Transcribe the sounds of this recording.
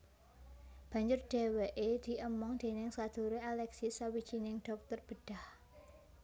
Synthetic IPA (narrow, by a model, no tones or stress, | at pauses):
b̥ä̤ɲd͡ʒʊrɖ̥e̤weʔed̪̥i̤ʔəmɔŋd̪̥e̤nɪŋsad̪̥ṳɾealɛksisawid̥d͡ʒ̥inɪŋɖ̥ɔ̤k̚t̪ərb̥əɖ̥a̤h